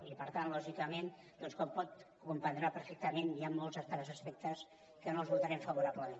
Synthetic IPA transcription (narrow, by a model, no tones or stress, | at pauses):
ipəɾt̪anlɔʒikəmen | d̪̥ɔnskɔmpɔt̪ | kumpənd̪ɾapəɾfek̚t̪əmeniamːolˠzəst̪ɾɛzəspɛk̚t̪əs | kənolˠzβut̪aɾɛmfəβuɾaβləmen